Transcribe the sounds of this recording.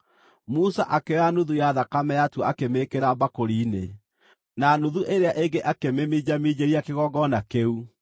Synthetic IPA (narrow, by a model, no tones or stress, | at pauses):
musaʔakeanuðujaðakamɛjatwakemekeɾabakoɾiːne | nanuðuʔeɾeaʔeɡeʔakememid͡ʑamid͡ʑeɾiakeɣɔɡɔnakeu